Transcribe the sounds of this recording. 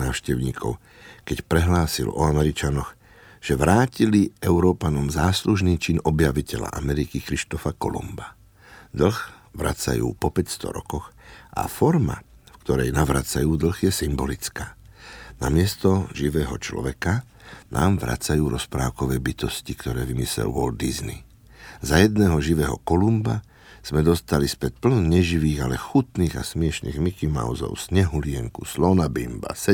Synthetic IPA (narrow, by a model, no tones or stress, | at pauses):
naːʊʃcɛʊɲḭːkʰɔ̰ʊ | kɛcpɾɛɦlaːsḭlɔ̰amɛɾit͡ʃanɔɣ | ʒ̥ɛʋɾaːciliɛʊɾɔːpanɔmzaːsluʒniːt͡ʃinɔbjaʋicɛla̰ʔa̰mɛɾikikɾiʃt̪ɔfakɔ̰lɔ̰mba | d̪l̩ɣʋɾa̰t͡sa̰jṵːpɔpɛcst̪ɔ̰ɾɔ̰kɔɣʔa̰fɔɾma̰fkt̪ɔɾɛjnaʋɾat͡sajuːd̪l̩ɣjɛsimbɔlit͡skaːna̰mɪɛst̪ɔʒiʋɛːɦɔt͡ʃlɔ̰ʋɛka | na̰ːmʋɾa̰t͡sajuːɾʔɔspɾaːʊkɔʋɛːbit̪ɔscikt̪ɔɾɛːʋimislɛ̰lwɔld̪̚izni | zajɛd̪nɛːɦɔʒiʋɛːɦɔ̰kɔlumba | z̥mɛd̪ɔst̪alispɛt̪̚pl̩nɔɲɛʒiʋiːɣalɛxut̪niːɣa̰smɪɛʃnḭːɣmikima̰ʊzɔ̰ʊsɲɛɦulɪɛŋkuslɔnabimba̰sɛ